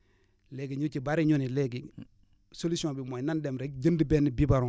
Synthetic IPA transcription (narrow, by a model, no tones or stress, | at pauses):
leɡiɲut͡ʃibaɾiɲunileɡi | solusõbimonandemɾek̚d͡ʒəndibɛnibibaɾũ